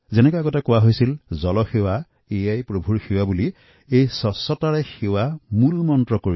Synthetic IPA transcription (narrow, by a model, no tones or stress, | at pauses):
zɛnɛkɔjaɡɔtakʊwaɦojsilzɔlɔxewa | ejajpɹobʱuɹxewabuli | ejsɔsɔtaɹɛxewamulmɔntɹɔkoɹi